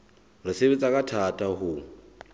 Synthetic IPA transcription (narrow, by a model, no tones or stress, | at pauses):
riseβet͡sʼakʼatʰatʼaɦʊ